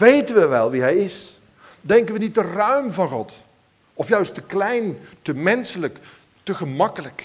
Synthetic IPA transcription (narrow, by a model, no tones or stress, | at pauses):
ʋejtənʋəʋɛlˠʋiɦɛjɪs | dɛŋkənʋənit̚dərœɥmvɑnχɔt | ɔfjœɥstəklɛjntəmɛnsələk | təχəmɑkələk